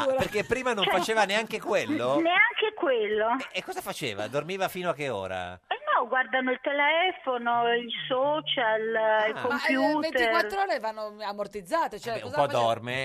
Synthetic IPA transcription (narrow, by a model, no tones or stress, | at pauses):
aperkepːɾiːmanõfat͡ʃeːvaneaŋkekwelːoneaŋkekwelːoekːɔːzafat͡ʃeːva̰d̪ormiːvafiːnoak̟ːeo̰ːɾa̰ɛnːɔɡward̪anoilt̪elɛfonoilsɔːt͡ʃalilkompjuːvent̪eikwarɾoːɾevanːoamort̪id̪zːaːt̪et͡ʃoɛuɔzpɔd̪ɔrme